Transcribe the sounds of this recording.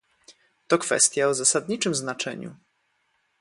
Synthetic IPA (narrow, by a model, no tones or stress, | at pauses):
t̪ɔkfɛ̰st̪ʲjaɔzasad̪ɲit͡ʂɘmznat͡ʂɛ̰ɲṵ